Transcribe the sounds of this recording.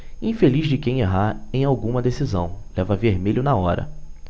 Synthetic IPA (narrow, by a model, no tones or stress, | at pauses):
ĩfeliʒd͡ʒɪkẽj̃eɦaɾẽj̃awɡũmɐd̪esizɐ̃w̃lɛvɐveɾmeʎʊnaɔɾɐ̰